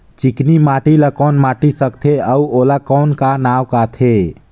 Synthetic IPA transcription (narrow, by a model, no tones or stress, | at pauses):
t͡ʃiknimaʈilakɔːnmaʈisəkt̪ʰeəuolakɔːnkanawkat̪ʰe